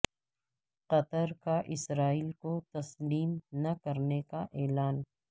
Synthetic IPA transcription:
qɐt̪əɾkaʔɪsɾaːiːlkot̪ɐsliːmnɐkɐɾnekaʔɛːlaːn

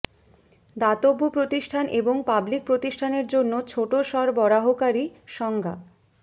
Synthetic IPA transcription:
d̪at̪obːopɾot̪iʃʈʰanʔeboŋpablik̚pɾot̪iʃʈʰaneɾd͡ʑonːot͡ɕʰoʈoʃɔɾbɔɾaɦokaɾiʃɔŋɡʱa̰

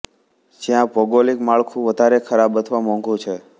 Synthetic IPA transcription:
d͡ʒjãbɔɡolikmaɭkʰũʋəd̪ʱaɾekʰəɾabət̪ʰʋamɔ̃ŋɡũt͡ʃʰe

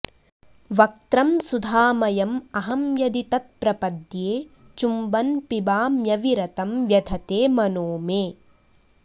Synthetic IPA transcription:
ʋɐk̚t̪ɾɐmsud̪ʱaːmɐjɐmɐɦɐmjɐd̪it̪ɐt̪̚pɾɐpɐd̪jeː | t͡ʃumbɐnpibaːmjɐʋiɾɐt̪ɐmʋjɐd̪ʱɐt̪eːmɐnoːmeː

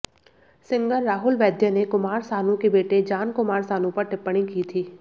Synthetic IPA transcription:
sɪ̃ŋɡəɾːaːɦʊlʋɛːd̪ʱjənekʊmaːɾsaːnũkebeːʈed͡ʒaːnkʊmaːɾsaːnõpɐɾʈɪpːəɽ̃ikit̪ʰiː

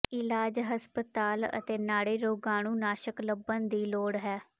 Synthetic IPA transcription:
ɪlaːd͡ʒɦəspət̪aːlə̰t̪eːnaːɽeːɾoːɡaːɽ̃ũːnaːʃəkləbənd̪iːloːɽɦɛː

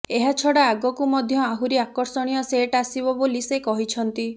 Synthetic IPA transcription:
eɦat͡ʃʰɔɽaːɡɔkumɔd̪ʱjɔaɦuɾiakɔɾsɔɽ̃ijɔseʈasibɔbolisekɔɦit͡ʃʰɔnt̪i

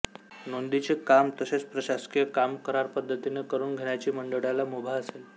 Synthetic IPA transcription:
nond̪it͡sekamt̪əset͡spɾəɕaskijəkamkəɾaɾpəd̪ʱːət̪inekəɾuːnɡʱeɳjat͡ɕiːməɳɖəɽjalamobʱaəsel

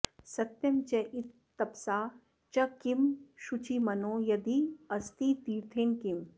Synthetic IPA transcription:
sɐt̪jɐmt͡ʃɐʔit̪ːɐpsaː | t͡ʃɐkimʃut͡ʃʰimɐnoːjɐd̪iɐst̪iːt̪iːɾt̪ʰeːnkim

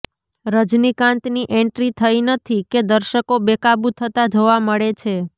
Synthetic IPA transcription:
ɾəd͡ʒnikãnt̪niʔɛɳʈɾit̪ʰəjnət̪ʰiked̪əɾʃəkobekabut̪ʰət̪ad͡ʒʱoʋaməɭet͡ʃʰe

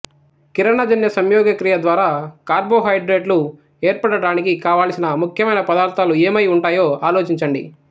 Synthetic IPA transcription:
kiɾɐɳɐd͡ʒɐnjɐsɐmjɔːɡɐkɾijɐd̪ʋaːɾaːkaːɾbo̞ːɦɐjɖɾeːɖlu | eːɾpɐɽɐɽaːnikikaːʋaːlsinɐmukʰjɐmɐjnɐpɐd̪aːɾt̪aːlueːmɐjuɳʈaːjoːaːloːt͡ʃiɲt͡ʃɐɳɖḭ

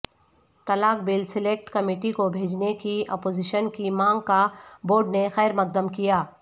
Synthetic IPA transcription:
t̪ɐlaːk̚bɪlsɪleːk̚ʈkɐmiːʈikobʱeːd͡ʒnekiɔ̰ːpoːzɪʃənkimãːŋɡkaboːɾɖnexɛːɾmɐk̚d̪əmkijaː

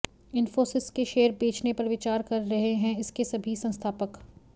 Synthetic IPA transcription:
ɪnfoːsɪskeʃeːəɾbeːt͡ʃnepɐɾʋɪt͡ʃaːɾkɐɾːɐɦeɦɛ̃ɪskesɐbʱisɐ̃nst̪ʰaːpək

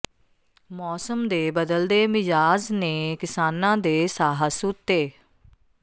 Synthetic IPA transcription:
mɔːsəmd̪eːbəd̪əld̪eːmɪzaːznẽːkɪsaːnãːd̪eːsaːɦəsʊt̪ːeː

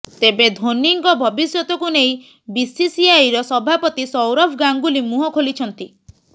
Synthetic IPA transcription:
t̪ebed̪ʱoniŋɡɔbʱɔbisjɔt̪ɔkunej | bisisiajɾɔsɔbʱapɔt̪isɔwɾɔpʰɡaŋɡulimuɦɔkʰolit͡ʃʰɔnt̪i

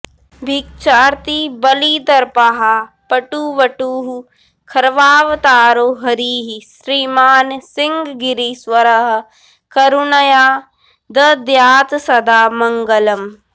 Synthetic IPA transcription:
bʱik̚t͡ʃaːɾt̪ibɐliːd̪ɐɾpaɦa | pɐʈuːʋɐʈuːɦu | kʰɐɾʋaːʋt̪aːɾoːɦɐɾiːɦisɾiːmaːnsɪŋɡɡiɾisʋɐɾɐɦ | kɐɾunɐjaː | d̪ɐd̪jaːt̪sɐd̪aːmɐŋɡɐlɐm

